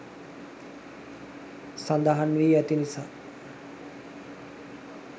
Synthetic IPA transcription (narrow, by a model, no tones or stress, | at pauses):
sand̪aɦanʋiːæt̪inisaː